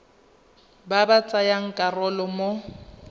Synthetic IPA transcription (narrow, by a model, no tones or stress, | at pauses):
babat͡sʼajaŋ̩kʼarɔlɔmo